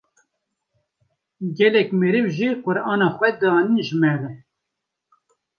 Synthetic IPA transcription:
ɡɛlɛkmɨɾɨvʒiqʊɾɑːnɑːxʷɛd̪ɑːninʒəmɛɾɛ

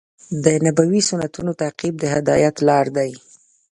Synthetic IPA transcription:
d̪ənabawisʊnat̪unot̪aqib̚d̪əɦɪd̪ɑjat̪lɑɾd̪aj

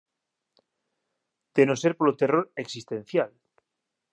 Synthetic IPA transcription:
t̪enoseɾpolot̪eroɾeksist̪en̟θjal

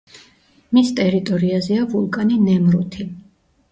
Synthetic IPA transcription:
mist̪ʼɛɾit̪ʼɔɾiazɛavulˠkʼaninɛmɾut̪ʰi

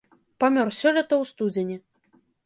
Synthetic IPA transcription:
pamʲɔrsʲɔlʲɐt̪ɐwst̪ud͡zʲenʲɛ

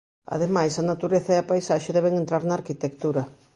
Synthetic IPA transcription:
a̰ðemajsɐnat̪uɾeθɐeɐpajsaʃeðɛβeŋẽnt̪ɾaɾnaːɾkit̪ekt̪uɾɐ

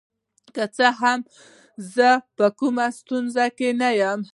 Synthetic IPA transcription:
kət͡səɦam | zəpəkumast̪unzakenajam

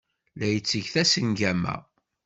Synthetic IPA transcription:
læjət͡sːəʝθæsənɡæmæ̰

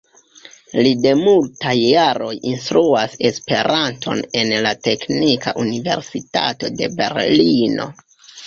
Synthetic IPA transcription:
lide̞multajːaɾo̞jinst̪ɾuase̞spe̞ɾʔantʰo̞̰ne̞nlate̞knika̰ʔunive̞̰ɾsita̰to̞de̞be̞̰ɾlino̞̰

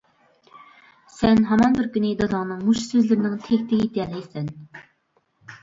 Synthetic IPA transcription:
sɛnɦɑmɑnbɪɾkʲynɪd̪ɑd̪ɑŋnɨŋmuʃsøzlɪɾɪnɪŋt̪ʰekʲt̪ɪɡʲit̪ɛlɪsɛn

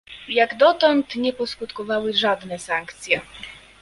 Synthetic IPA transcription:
jaɡd̪ɔt̪ɔnt̪ɲɛpɔskut̪kɔvawɘʐad̪nɛsaŋkt̪sʲjɛ

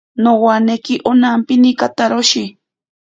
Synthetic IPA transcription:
nowanekɪʔonampɪnikat̪aɾoʃi

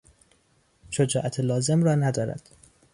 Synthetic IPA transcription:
ʃod͡ʒɒːʔæt̪ʰelɒːze̞mrɒːnæd̪ɒːɾæ̰d̪̥

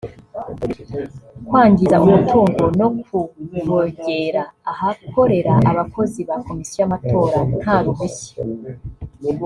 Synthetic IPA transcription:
kwaːɲɟizaʔumutʰuːŋɡo̞no̞kuβoɟe̞ɾaːhako̞ɾe̞ɾaʔaβako̞ziβako̞misijojamato̞ːɾan̥haɾuβuçe̥

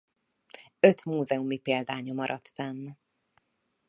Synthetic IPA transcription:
ø̞t̪muːzɛumipeːld̪aːɲɒmɒɾʔɒt̪fɛnː

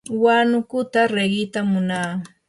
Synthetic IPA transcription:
wanʊkʊt̪aɾeɢɪt̪amːʊnaː

